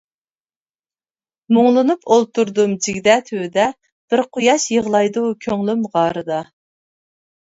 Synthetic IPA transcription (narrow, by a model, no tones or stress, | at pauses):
muŋlˠɨnupʰolˠt̪ʰuɾd̪umd͡ʒiɡʲd̪ɛt̪ʰød̪ɛ | b̥ɪɾqʰʊjɑʃjəʁlˠɑjd̪ukʲʰøŋlymʁɑːɾɨd̪ɑ